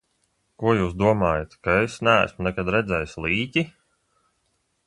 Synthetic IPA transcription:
kuɔjuːs̬d̪uɔmaːjat̪kaesnæ̰ːsmunɛkad̪ɾɛd̪zʲɛjslˠiːcʲi

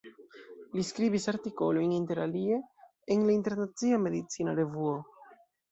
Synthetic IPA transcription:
liskɾiβisaɾt̪iko̞lojnint̪e̞ɾalie̞ː | ŋlaint̪e̞ɾnat͡siame̞ðit͡sinaɾe̞vuo

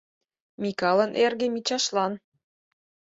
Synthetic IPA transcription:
mʲikɑlɤ̆nʔerɣĕmit͡ɕɑʃlɑn

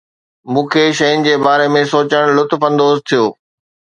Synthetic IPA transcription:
mũːkʰeːʃɐjʊnɪ̆d͡ʑeːbaːɾemẽsoːt͡ɕəɽ̃lʊt̪fɐ̃nd̪oːzt̪ʰijoː

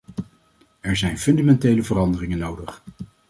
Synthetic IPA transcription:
ɛɹzɛjnfɵndamɛntejləvərɑndərɪŋənːowdəχ

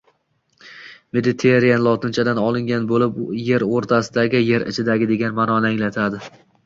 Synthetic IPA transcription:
med̪ɪt̪ʰeɾijanlˠɒt̪ʰɪnt͡ʃʰad̪anɒlˠɪŋɡʲanbolɪpje̞ɾoɾt̪ʰasɪd̪aɡʲɪje̞ɾɪ̰t͡ʃʰɪd̪aɡʲɪd̪e̞ɡʲanmanɒnaŋlat̪ʰad̪ɪ

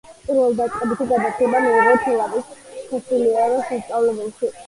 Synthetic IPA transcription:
pʼiɾvɛlˠd̪at̪sʼqʼɛbit̪ʰiɡad̪asʰɛbamɛiɾɛp̪ʰɛlˠavisχʰɔsiliaɾɔsast̪sʼavlɛbɛlˠʃi

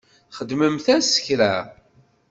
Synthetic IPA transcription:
χəd̪məmθæsə̥çɾæ̰

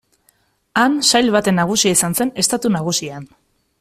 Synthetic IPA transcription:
ansajlβat̪e̞nːaɣ̞usiaisanse̞ne̞st̪at̪unaɣ̞usian

